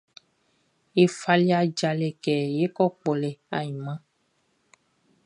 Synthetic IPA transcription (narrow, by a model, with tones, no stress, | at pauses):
e˨fa˦li˦a˨d͡ʒa˨lɛ˨kɛ˨je˦kɔ˦k͡pɔ˨lɛ˨a˨ɲĩ˨mã˦